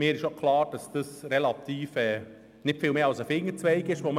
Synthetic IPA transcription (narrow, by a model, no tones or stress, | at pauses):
mɪːɾɪʃokʰlɑːɾd̥ɑsd̥əsɾɛlɑt̪iːfɛː | nɪtfɪːlmeːɑlsəfɪŋːət͡sʋɛɪɡɪʃʋom